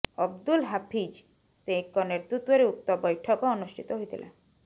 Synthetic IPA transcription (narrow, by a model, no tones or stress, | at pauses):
ɔbd̪ulɦapʰid͡ʒ | sẽkːɔneɾt̪ɾut̪wɔɾeup̚t̪ɔbɔjʈʰɔkɔɔnusʈʰit̪ɔɦojt̪ʰilʔḛ